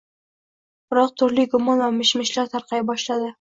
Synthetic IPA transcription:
b̥ɪɾɒq̚t̪ʰʊɾlɪɡʊmɒnvamɪʃmɪʃlaɾt̪ʰaɾqʰɑjbɒʃlad̪ɪ

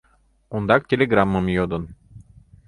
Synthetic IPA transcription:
und̪ɑk̚tʲelʲeɡramːɯmjod̪un

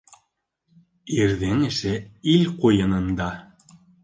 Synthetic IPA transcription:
iɾðɘŋɘ̆ʃɘilqujɤ̆nɤ̆nd̪ɑ

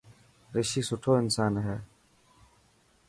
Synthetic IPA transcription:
ɾɪʃiːsʊʈʰoːɪnsaːnɦɛː

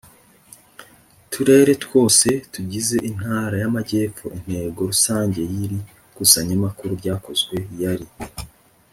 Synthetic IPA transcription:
tʰuɾe̞ːɾe̞two̞ːse̞tuɟize̞ʔin̥haːɾajamaɟe̞ːp͡fo̰ʔin̥he̞ːɡo̞ɾusaːɲɟe̞jiɾi | kusaɲamakuɾuɾɟaːko̞zɡwe̞jaɾi

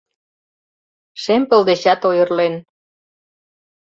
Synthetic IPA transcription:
ʃempə̆ld̪eɕɑt̪ojə̆rlen

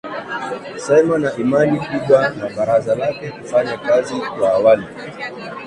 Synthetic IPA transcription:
sɛmanaʔimanikuɓanaɓaɾazalakɛkufaɲakazikwaːwali

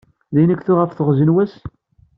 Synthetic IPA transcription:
ðæjnækθʊʁəfθəʁzənwæs

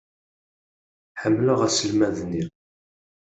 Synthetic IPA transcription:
ħəmːlʊʁæsəlmæðniɾ

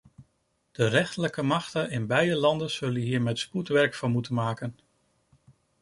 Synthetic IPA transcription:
d̥ərɛχtələkəmɑχtənɪnbɛjdəlɑndənz̥ɵlənɦiːɹmɛtsputʋɛɹkfɑnmutənmaːkən

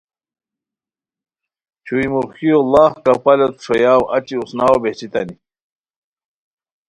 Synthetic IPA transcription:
t͡ɕʰuimuɾxijolaːhkɐpɐlet̪ʂojaːwɐt͡ɕiusnaːwobeht͡ɕit̪ɐni

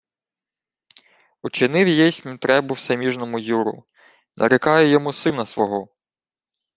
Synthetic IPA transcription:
ut͡ʃɪnɪwjjɛjsʲmʲt̪ɾɛbʊwsɐmʲiʒnɔmʊjuɾʊ̰ | nʔɐ̰ɾɪkɑjɛjɔmusɪnɐsʋɔɦɔ

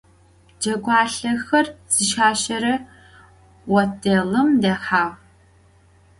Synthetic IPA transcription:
d͡ʒɐɡʷɑːɬɐxɐrz̥iʃaːʃɐɾɐ | wɔtʰelɨmdɐħaːʁ

